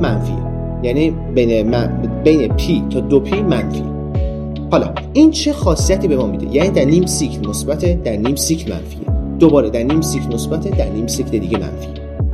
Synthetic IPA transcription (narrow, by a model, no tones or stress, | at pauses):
mænfḭḛ | jæniː | benemæbejnepʰiːt̪ʰɒːd̪opʰimænfḭe | hɒːlɒ̰ː | ʔiːnt͡ʃʰe̞xɒːsijæt̪ʰiːbe̞mɒːmid̪e̞̰jæniːd̪æɾniːmsicʰlmosbæt̪ʰed̪æɾniːmsiːcʰlmæ̰nfḭḛd̪̥obɒːɾed̪æɾniːmsicʰlmosbæt̪ʰe̞d̪æɾniːmsiːcʰle̞d̪iːɟe̞mæ̰nfḭe